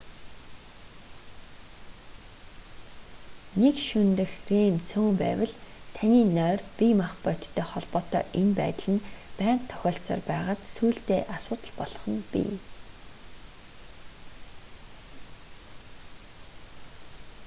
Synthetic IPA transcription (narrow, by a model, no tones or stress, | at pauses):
nekʃɵnt̪ɘ̆xremt͡sʰoːmpæ̰ːwə̆ɮt̪ʰaniːnœːrpimaχpœt̪t̪ʰːœːχɔɮpɔːt̪ɔ̰ːʔenpæ̰ːt̪ə̆ɮɘ̆npæːɴqt̪ʰːœ̥xʲɔːɬsa̰ːrpæːʁaːt̪suːɬt̪eːʔasʊːt̪ə̆ɮpɔɮɞ̆χɞ̆npḭ